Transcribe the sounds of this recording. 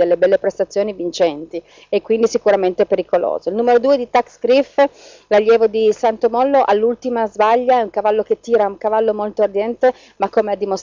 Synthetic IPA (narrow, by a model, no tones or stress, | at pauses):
elːebɛlːepɾest̪at̪sːjoːnivint͡ʃɛnt̪i | ekːwind̪isikuɾament̪epeɾikolo̰ːzoilnuːmeɾod̪uːed̪it̪aksɡɾif | laʎːjɛːvod̪isant̪omɔlːoʔalːult̪imazbaʎːaɛuŋkavalːoket̪ːiːɾauŋkavalːomolt̪oːrd̪jɛnt̪e | makːomead̪ːimos